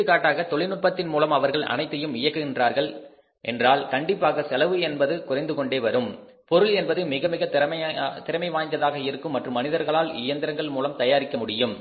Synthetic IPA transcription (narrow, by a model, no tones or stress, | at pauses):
ɯkaːʈːaːɣɐt̪ɔɭɪnɯʈ̚pɐt̪ːɪnmuːlɐmɐʋɐɾɣɐɭʔɐ̰nɐɪt̪ːɐjɯmɪjɐkːɯɣɪndraːɾɣɐɭ | ʔɛ̰ndraːlkɐɳɖɪpːaːɣɐsɛlɐʋɯɛnbɐðɯkʊrɐɪnd̪ɯkɔɳɖeːʋɐɾɯm | pɔɾɯlɛnbɐðɯmɪɣɐmɪɣɐt̪t̪ɪɾɐmɐɪʋaːɲd̪ɐðaːɣɐɪɾɯkːɯmːɐʈrɯmːɐnɪðɐɾɣɐɭaːlɪ̰jɐnd̪ɪɾɐŋɡɐɭmuːlɐmt̪ɐjaːɾɪkːɐmʊɽɪjɯm